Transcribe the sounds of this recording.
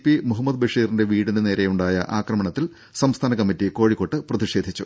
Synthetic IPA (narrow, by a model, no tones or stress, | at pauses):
pːimuɦɐmːɐd̪̚bɐʂiːrinde̞ʋiːɽinɨne̞ːɾe̞juɳɖaːjɐ̰ʔaːkrɐmɐɳɐt̪ːil | sɐmst̪ʰaːnɐkɐmːitːiko̞ːɻikːo̞ʈːɨprɐd̪iʂe̞ːd̪ʱit͡ɕːu